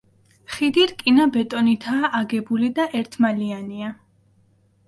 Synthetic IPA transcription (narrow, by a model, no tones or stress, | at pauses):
χid̪iɾkʼinabɛt̪ʼɔnit̪ʰaːʔːɡɛbulid̪aʔɛɾt̪ʰmaliania